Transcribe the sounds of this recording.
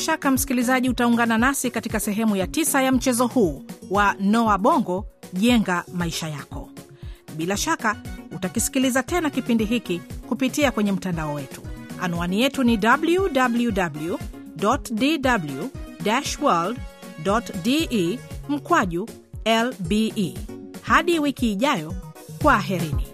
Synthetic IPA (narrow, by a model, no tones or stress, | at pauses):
ʃakam̩si̥kilizaʄiutauŋɡananasikatikasɛɦɛmujatisajam̩t͡ʃɛzɔhuːwanɔaɓɔŋɡɔʄɛŋɡamaiʃajakɔ | ɓilaʃakautakisi̥kilizatɛnakipindiɦikikupitiakwɛɲɛm̩tandaɔwɛtu̥a̰nuanijɛtunidabljudabljudablu | dɔtdidabljudaʃwald | dɔtdi | m̩kwaʄu | ɛlbi | haɗiwikiːʄajɔkwaːɦiɾinḭ